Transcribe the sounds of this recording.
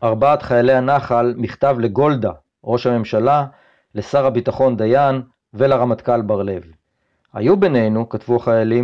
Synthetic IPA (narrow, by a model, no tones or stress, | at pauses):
ʔaʁbaːt̪χajale̞hanaχalmiχt̪avle̞ɡo̞ld̪a | ʁo̞ʃhame̞mʃala | lesaʁabit̪aχo̞nd̪ajan | velaʁamat̪kalbaʁle̞v | ha̰jube̞ne̞jnukatvuaχajali